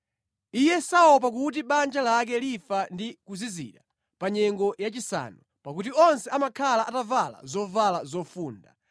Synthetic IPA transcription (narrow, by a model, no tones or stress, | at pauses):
ijɛsaɔp̬ak̬ut̬iɓand͡ʒalak̬ɛlifandikuzizḭɗa | paɲɛŋɡɔjat͡ʃisa̰nɔ | pakut̬iɔnsɛamakʰalaʔatavala̰zɔvalazɔfuːnda